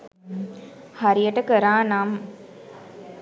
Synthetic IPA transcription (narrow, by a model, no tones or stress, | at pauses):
haɾijəʈəkəɾaːnam